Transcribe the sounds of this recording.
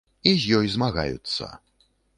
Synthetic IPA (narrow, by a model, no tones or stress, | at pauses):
izʲjɔjzmaɣa̰jṵt̪sːɐ̰